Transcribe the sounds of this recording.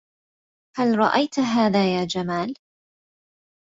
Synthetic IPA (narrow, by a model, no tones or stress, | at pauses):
halɾˤɑ̰ʔajt̪ɦaːðaːjaːd͡ʒamaːl